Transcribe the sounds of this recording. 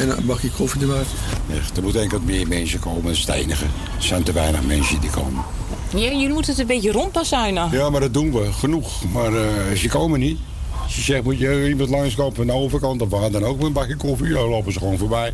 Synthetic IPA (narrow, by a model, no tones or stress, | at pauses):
ɛnbakəkʰofidəʋat | ɛ̰xd̥ərmutɛŋkətmɪərmɛnsjəkʰoːmənəstḛjnəɣə | sɛntəʋɛjnə̰xmɛnsjədikʰo̰ːmən | jajəmutətənbetjərontasɛjnjaːmadɔt̚dunʋəxənuxmarsjəkoːmənit | səsɛxmutjəimɑntlɑŋslowpəfəndowvərkɑntɔfʋaːdɔnowkʋɪlˠənbɑkjəkofialowpəsəxʋoːnfoːɹbɛj